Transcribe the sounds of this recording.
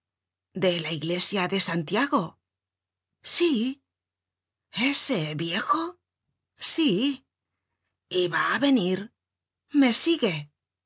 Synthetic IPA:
d̪e̞laiɣle̞sjaðe̞sant̪jaɣo̞ | si | eseβje̞xo | si | iβaːβe̞niɾ | me̞siɣe̞

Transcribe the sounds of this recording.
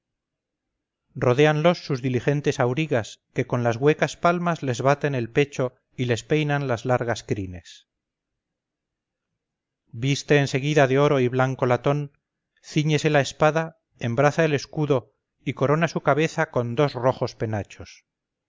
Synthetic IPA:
ro̞ð̞e̞anlo̞sːuzðilixe̞nt̪e̞sawɾiɣaske̞ko̞nlazɣwe̞kaspalmazle̞zβat̪e̞ne̞lpe̞t͡ʃo̞ | ile̞spe̞jnanlazlaɾɣaskɾine̞s | bist̪e̞ːnse̞ɣ̞iðaðeo̞ɾo̞iβlaŋko̞lat̪o̞n | θiɲe̞se̞laespaða | embɾaθaele̞skuðo̞ | iko̞ɾo̞nasukaβe̞θako̞nd̪o̞zro̞χo̞spe̞nat͡ʃo̞s

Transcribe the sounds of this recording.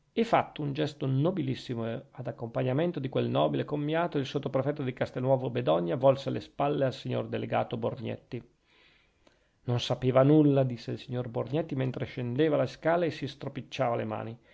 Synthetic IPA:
efːat̪ːound͡ʒɛst̪onobilisːimoad̪akːompaɲːament̪od̪ikwelnɔːbilekomːjaːt̪oilsot̪ːopɾefɛt̪ːod̪ikast̪elnːwɔːvobed̪ɔɲːavɔlsealespalːealsiɲːo̰rd̪elḛɡa̰ːt̪oborɲɛ̰t̪ːi | nonsapeːvanulːad̪isːeilsiɲːorborɲɛt̪ːiment̪ɾeʃend̪eːvaleskaːlaesːist̪ɾopit͡ʃːaːvalḛma̰ːni

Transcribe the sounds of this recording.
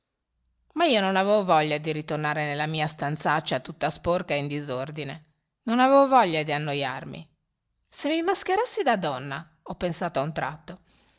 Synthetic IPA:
maiːononavɛvovɔʎːad̪iɾit̪ornaːɾenelːamiːast̪ant̪sat͡ʃːat̪ut̪ːasporkaeind̪izord̪ine | nonavɛvovɔʎːad̪ianːoja̰rmḭ | semimask̟eɾasːid̪ad̪ɔnːa | ɔpːensaːt̪oaunt̪ɾat̪ːo

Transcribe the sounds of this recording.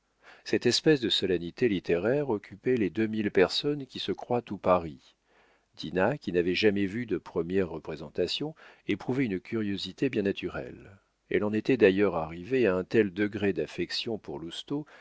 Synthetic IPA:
sɛt̪ɛspɛsd̪əsɔlanit̪elit̪eʁɛʁɔkʲʰypɛled̪ømilpɛʁsɔnkʲisəkχwat̪upaʁi | d̪̥inakʲinavɛʒamɛvyd̪əpχəmjɛʁːəpχezɑ̃t̪asjɔ̃epχuvɛynkʲʰyʁjozit̪ebjɛ̃nat̪yʁɛ̰l | ɛ̰lɑ̃net̪ɛd̪ajœʁaʁiveaɛ̃t̪ɛld̪əɡʁed̪afɛksjɔ̃puʁlust̪o

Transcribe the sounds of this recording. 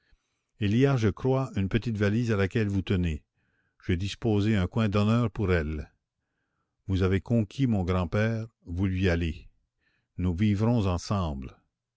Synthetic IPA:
ilijaʒəkrwaynpət̪it̪valiːzalakʲɛlvut̪əne | ʒ̥ed̪ispoːzeœ̃kwɛ̃d̪ɔnœːʁpuʁɛl | vuzavekɔ̃kʲʰimɔ̃ɡʁɑ̃pɛːʁvulɥiale | nuvivɾɔ̃zɑ̃sɑ̃ːbl

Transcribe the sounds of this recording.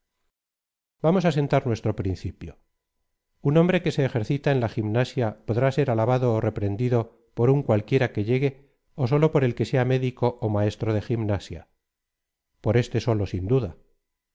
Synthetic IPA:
bamo̞sas̬e̞nt̪aɾnwe̞st̪ɾo̞pɾinθipjo | unõ̞mbɾe̞ke̞se̞ːxe̞ɾθit̪aenlaximnasjapo̞ðɾase̞ɾalaβ̞aðo̞ːre̞pɾe̞nd̪iðo̞ | po̞ɾuŋkwalkje̞ɾake̞ʎe̞ɣe̞ | os̬o̞lo̞po̞ɾe̞lke̞seame̞ðiko̞ʔomae̞st̪ɾoð̞e̞ximnasja̰ | po̞ɾe̞st̪e̞so̞lo̞sind̪uða

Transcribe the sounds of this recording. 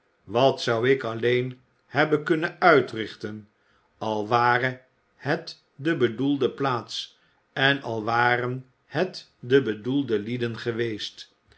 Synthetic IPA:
ʋɑtsʌwɪkɑlejn | hɛbənkɵnənœɥtrɪχtən | ɑlˠʋaːrə | hɛt | dəbədulˠdəplaːts | ɛnɑlˠʋaːɾən | hɛt | dəbədulˠdəlidənχəʋejst

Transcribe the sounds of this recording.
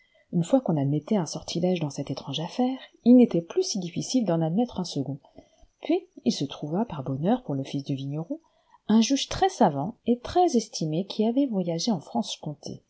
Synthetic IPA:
ynfwakɔ̃nad̪mɛt̪ɛɛ̃sɔʁt̪ʰilaʒd̪ɑ̃sɛt̪et̪χɑ̃ʒafɛːʁilnet̪ɛplysid̪ifisild̪ɑ̃nad̪mɛt̪χɛ̃səɡɔ̃ | pɥiilsət̪χuvapaʁbɔnœʁpuʁləfis̬d̪əviɲɔʁõ | ɛ̃ʒyʒt̪χɛsavɑ̃et̪χɛzɛst̪ʰimekʲʰiavɛvwajaʒeɑ̃fχɑ̃skɔ̃t̪ʰḛ

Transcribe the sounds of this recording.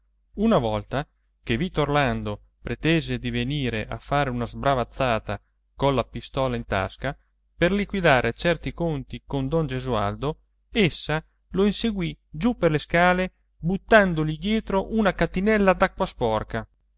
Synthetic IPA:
unavɔlt̪a | kevit̪ːorland̪o | pɾet̪eːzed̪iveniːɾeʔa̰fːaːɾeunazbɾavat̪sːaːt̪a | konlapist̪ɔːlaint̪a̰ska | perlikwid̪aːɾʔet͡ʃɛrt̪ikont̪ikond̪ɔnd͡ʒezua̰ld̪o | esːa | loinseɡwid͡ʒupːerleskaːle | but̪ːand̪olid̪jɛːt̪ɾoʔunakat̪inɛlːad̪akːwaspɔrka

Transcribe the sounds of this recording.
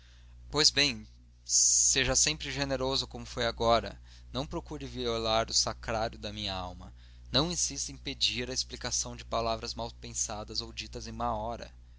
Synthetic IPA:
pojzbẽj̃ | seʒɐsẽmpɾɪʒeneɾozʊkõmʊfojaɡɔɾɐ̰ | nɐ̃w̃pɾokuɾɪviolaɾʊsakɾaɾjʊd̪ɐmĩɲɐawmɐ | nɐ̃w̃ĩsist̪ẽped͡ʒiɾɐesplikasɐ̃w̃d͡ʒɪpalavɾɐzmawpẽsad̪ɐzowd͡ʒit̪ɐzẽj̃ũmɐɔɾɐ̰

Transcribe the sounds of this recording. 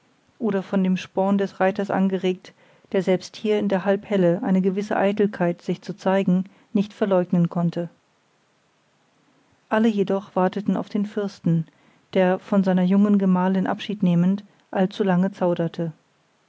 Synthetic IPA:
ʔoːɾɐfɔndeːmʃpɔːndɛsʁaɪtɐsʔa̰nɡəʁeːk̚t | d̥eːɐzɛlpsthiːɐɪndeːɐɦalphɛləʔa̰ɪnəɡəvɪsə̰ʔa̰ɪtl̩kʰaɪtz̥ɪçt͡sut͡saɪɡŋ̩ | nɪçtfɛɐlɔʏɡnənkʰɔntʰə | ʔaləjedɔχv̥aɐtətn̩a̰ʊfd̥eːnfʏɐstn̩ | d̥eːɐfɔnzaɪnɐjʊŋənɡəmaːlɪnʔa̰pʃiːtneːmənt | ʔalt͡sulaŋət͡saʊɾɐtʰə

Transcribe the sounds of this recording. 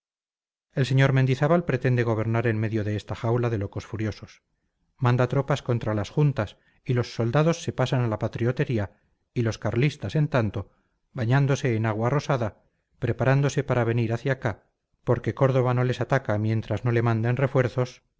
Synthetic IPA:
e̞lse̞ɲo̞ɾmend̪iθaβalpɾe̞t̪e̞nd̪e̞ɣo̞β̞e̞ɾnaɾe̞nme̞ðjo̞ðe̞est̪axawlaðe̞lo̞ko̞sfuɾjo̞so̞s | mãnd̪at̪ɾo̞pasko̞nt̪ɾalasxunt̪as | ilo̞sːo̞ld̪aðo̞sːe̞pasanalapat̪ɾio̞t̪e̞ɾia | ilo̞skaɾlist̪ase̞nt̪ant̪o̞ | βaɲand̪o̞se̞ːnaɣ̞waːro̞saða | pɾe̞paɾand̪o̞se̞paɾaβ̞e̞niɾaθjaka | po̞ɾke̞ko̞ɾðo̞βano̞le̞sat̪akamjẽ̞nt̪ɾazno̞le̞mãnd̪enre̞fwe̞ɾθo̞s

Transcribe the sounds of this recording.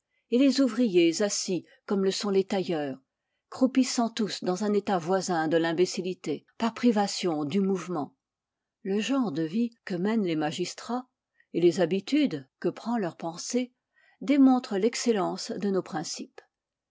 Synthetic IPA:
elezuvʁijezasi | kɔmləsɔ̃let̪ajœːʁ | kχupisɑ̃t̪usd̪ɑ̃zɛ̃net̪avwazɛ̃d̪əlɛ̃besilit̪epaʁpχivasjɔ̃d̪ymuvmɑ̃ | ləʒɑ̃ʁd̪əvikəmɛnlemaʒist̪χa | elezabit̪yd̪kəpχɑ̃lœʁpɑ̃se | d̪emɔ̃t̪χəlɛkselɑ̃sd̪ənopχɛ̃sip

